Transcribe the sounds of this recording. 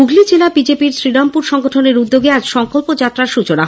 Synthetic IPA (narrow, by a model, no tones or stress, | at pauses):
uɡlid͡ʑelabid͡ʑepiɾsɾiɽampuɾʃɔŋɡoʈʰoneɾud̪ːoɡead͡ʑʃɔŋkolpod͡ʑat̪ːɾaɾʃut͡ɕona